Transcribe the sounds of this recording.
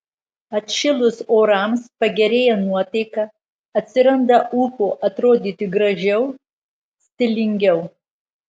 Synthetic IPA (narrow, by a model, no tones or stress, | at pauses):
ɐt̪ʲʃʲɪlˠʊsoːɾɐmspɐɡʲɛɾʲeːjɛnuɔt̪ɐɪkɐ | ɐt̪ʲsʲɪɾɐnd̪ɐʔuːkoːʔɐt̪ɾoːd̪ʲiːt̪ʲɪɡɾɐʒʲɛʊ | sʲt̪ʲɪlʲɪŋʲɡʲɛʊ